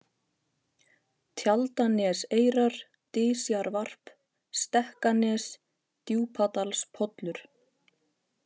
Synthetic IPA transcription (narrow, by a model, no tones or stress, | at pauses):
t̪ʰjalt̪anɛseːjɾaɾ̥ | t̪ɪːsjaɾvar̥p | st̪ɛhkanɛːs | t̪juːpʰat̪alspʰɔt̪lʏɾ̥